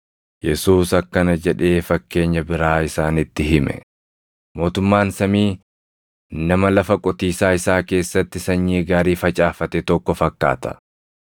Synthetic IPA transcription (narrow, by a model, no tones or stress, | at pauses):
jɛsuːsɐkːɐnɐd͡ʒɛᶑe̞ːfɐkːe̞ːɲːɐbɪɾaːɪsaːnɪt̪ːɪɦɪmɛ̰ | mo̞ːt̪ʊmːaːnsɐmiː | nɐmɐlɐfɐkʼɔt̪iːsaːɪsaːke̞ːsːɐt̪ːɪsɐɲːiːɡaːɾiːfɐt͡ʃʼaːfɐt̪ɛt̪ɔkːɔfɐkːa̰ːt̪ɐ̥̰